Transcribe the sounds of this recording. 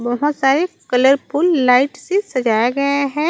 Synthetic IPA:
bɐɦʊt̪saːɾekɐləɾpulːaːɪʈsesɐd͡ʒaːjaɡɐjaɦɛ̃ː

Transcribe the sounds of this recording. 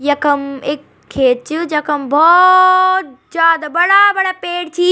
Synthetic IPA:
jɐkəmɪkʰː | eːt͡ɕʊd͡ʑɐkəmbʱɔːt̪zjaːd̪abɐɽabɐɽaːpeːɽt͡ɕʰiː

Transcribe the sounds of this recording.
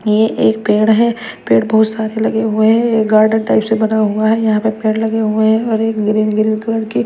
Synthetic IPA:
jeʔeːk̚peːɽɦɛː | peːɽbɐɦʊt̪saːɾelɐɡeɦueɦɛ̃jeɡaːɾɖə̃ɳʈaɪpsebɐnaɦõːɡaɦɛjɐɦãpepeːɽlɐɡeɦueɦɛ̃ɔːɾeːkɡɾiːnɡɾiːnkɐləɽki

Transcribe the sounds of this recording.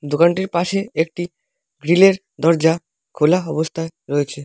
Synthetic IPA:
d̪okaɳʈiɾpaʃeek̚ʈi | ɡɾileɾ | d̪ɔɾd͡ʑa | kʰolaɔbost̪ʰaeɾɔet͡ɕʰe

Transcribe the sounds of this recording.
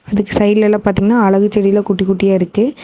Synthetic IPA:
ɐðɯkːɯsɐɪɪlɛlːãːpaːɾt̪iːŋɡɐnːaːɐɭɐɣɯt͡ʃːɛɽɪjlãːkʊʈːikːuʈːɪjaːɪɾɯkːɯ

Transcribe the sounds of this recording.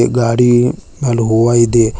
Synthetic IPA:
ɡaːɽiː | naːlɦoːaːid̪eː

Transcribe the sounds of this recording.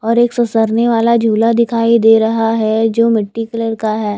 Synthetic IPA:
ɔːɾeːksɐsəɾneʋaːlad͡ʒʱuːlad̪ɪkʰaːid̪eːɾɐɦaɦɛd͡ʒoːmɪʈːikləɾkaɦɛː

